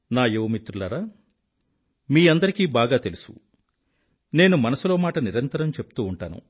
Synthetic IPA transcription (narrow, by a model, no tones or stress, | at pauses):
naːjeʋmit̪ɾulaɾaː | miːɐnd̪ɐɾikiːbaːɡaːt̪e̞lusṵ | ne̞ːnumɐnɐsulo̞ːmaːʈɐniɾɐnt̪ɐɾɐmt͡ʃe̞pu̥t̪uːɳʈaːnṵ